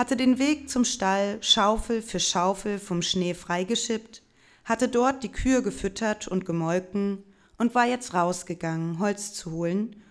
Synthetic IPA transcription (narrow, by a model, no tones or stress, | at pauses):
hatədeːnveːk̚t͡sʊmʃtalʃaʊfl̩fyːɐʃaʊfl̩fɔmʃneːfʁ̥aɪɡəʃɪpt | hatədɔɐt̚d̥iːkʰyːɐɡəfʏtʰɐtʰʊntɡ̥əmɔlkŋ̩ | ʔʊntv̥aːɐjɛt͡stʁaʊsɡ̥əɡaŋənɦɔlt͡st͡suhoːlən